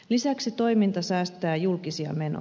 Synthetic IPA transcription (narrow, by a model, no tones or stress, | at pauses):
lisæksit̪o̞imint̪ɑsæːst̪æːjulkisiɑ̰me̞no̰